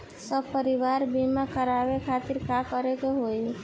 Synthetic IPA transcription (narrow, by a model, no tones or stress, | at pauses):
səbpəɾiʋaɾbimakəɾabekʰat̪iɾkakəɾekeɦoj